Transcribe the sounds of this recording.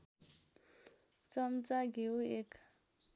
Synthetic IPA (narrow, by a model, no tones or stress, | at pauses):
t͡sɔm̩t͡saɡeuekʰḁ